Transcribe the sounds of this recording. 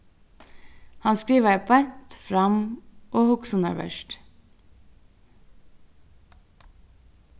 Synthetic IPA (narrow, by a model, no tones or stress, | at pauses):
hɑnskiːʋəpʰɑɾt̪fɾɑmʔoːhʊksʊnɑʋœ̰ʃʈ